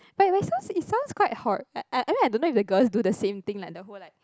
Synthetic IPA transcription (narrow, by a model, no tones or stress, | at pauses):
b̥at̚waɪsãʊ̃nsitsãʊ̃nskwaɪt̚had̚aʔaʔaɪmĩnaɪdõnːoifdəɡəlsdudəsẽmt̪ĩŋlajk̚dəɦolaɪk̚